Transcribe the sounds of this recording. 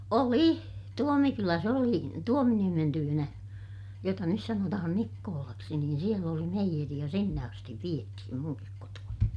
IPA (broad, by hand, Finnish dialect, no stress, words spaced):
oli tuomikylæs oli tuominiemen tyːnæ jotɑ nys sɑnotɑhɑn nikːoːlɑksi niːn siel oli meijeri jɑ sinːe ɑstiʋ ʋiethim muŋkik kotuɑni